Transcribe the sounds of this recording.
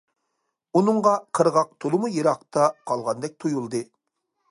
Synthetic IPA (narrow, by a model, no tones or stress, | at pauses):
unɨŋʁɑqʰəɾʁɑq̚t̪ʰolˠɨmujɨɾɑqt̪ʰɑqʰɑlˠʁɑnd̪ɛk̚ʲt̪ʰujulˠd̪ɨ